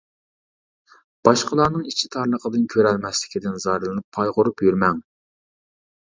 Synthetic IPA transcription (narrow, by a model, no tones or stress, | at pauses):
b̥ɑʃqəlˠɑɾnɨŋit͡ʃʰit̪ʰɑɾnˠəqʰəd̪ɨnkʲʰøɾɛlmɛslɪ̥kʲid̪ɪnzɑɾɨlˠɨnɨpʰːɑjʁʊɾupjyɾmɛŋ